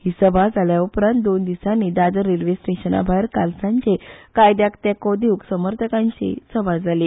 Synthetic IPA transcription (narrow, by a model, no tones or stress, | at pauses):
hiːsəbad͡zʱaljaupɾant̪̚d̪ond̪isaniːd̪ad̪əɾilʋesʈeɕəna̰bʱajɾkalsaɲt͡ɕekajd̪jakt̪jakod̪iuksəməɾt̪ʰəkãɲt͡ɕḭsəbʱad͡zʱali